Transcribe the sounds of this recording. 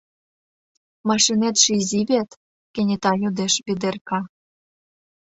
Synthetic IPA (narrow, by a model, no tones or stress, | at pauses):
mɑʃinet̪ʃizʲiβʲet̪ | kĕnʲet̪ɑjud̪eʃβid̪erkɑ